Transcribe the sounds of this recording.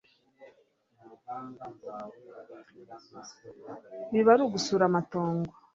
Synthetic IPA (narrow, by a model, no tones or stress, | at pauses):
βiβaɾuɡusuɾamatoːŋɡo